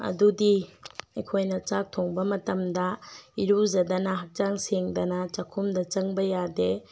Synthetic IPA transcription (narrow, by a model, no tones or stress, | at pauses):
ɐ̰dudiɐjkʰojnɐt͡ʃak̚tʰoŋbɐmɐtɐmdɐiɾuzɐdɐnɐɦɐk̚t͡ʃaŋseŋdɐnɐt͡ʃakʰumdɐt͡ʃɐŋbɐjade